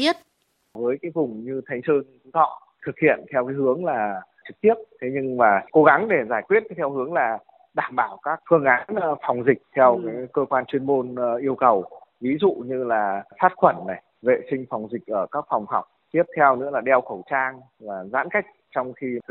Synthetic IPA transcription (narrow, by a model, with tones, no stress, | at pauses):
i˦˥ət̚ | vəː˨˦jkaː˨˦jvʊ˨˩ŋ͡mɲɨ˧t̪ʰa˨˦jŋ̟səː˧n˨˦ɔ̰˧˨ | t̪ʰɨ˨˩k̚hḭ˧˨ənt̪ʰɛ˧wkaː˨˦jhɨ˨˦əŋlaː˨˩t͡ɕɨ˨˩k̚t̪i˦˥əp̚t̪ʰe˨˦ɲɨ˧ŋmaː˨˩ko˨˦ɣa˨˦ŋɗe˧˩zaː˧˩jkwi˦˥ət̚t̪ʰɛ˧whɨ˨˦əŋlaː˨˩ | ɗaː˧˩mɓaː˧˩wkaː˦˥k̚fɨ˧əŋʔaː˨˦nfa˨˩wŋ͡mzï˨˩k̟̚t̪ʰɛ˧wkaː˨˦kəː˧kwaː˧nt͡ɕwi˧ənmo˧nʔi˧əwkə˨˩w | vi˨˦zṵ˧˨ɲɨ˧laː˨˩faː˦˥t̚xwə˧˩nːa˨˩j | vḛ˧˨sï˧ŋ̟fa˨˩wŋ͡mzï˨˩k̟̚ʔəː˧˩kaː˦˥k̚fwŋ͡mɦɔ˨˩wk͡p̚t̪i˦˥əp̚t̪ʰɛ˧wnɨ̰˧˥laː˨˩ɗɛ˧wxə˧˩wt͡ɕaː˧ŋ | vaː˨˩za̰ː˧˥nka˦˥jk̟̚t͡ɕɔ˧wŋ͡mxi˧t̪ʰɨ˨˩